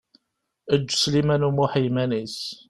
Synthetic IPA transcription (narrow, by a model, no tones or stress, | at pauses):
əd͡ʒːslimænumuħijmænis